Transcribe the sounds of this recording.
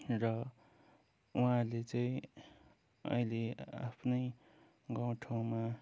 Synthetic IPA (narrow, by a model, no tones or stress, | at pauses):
rʌ | uɦãlet͡sʌĩ | ʌ̰ilea̰pʰnʌj | ɡʌw̃ʈʰaw̃ma